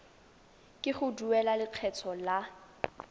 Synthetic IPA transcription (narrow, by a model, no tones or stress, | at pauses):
kʼɪχʊduɛlalɪq͡χʰɛt͡sʰɔla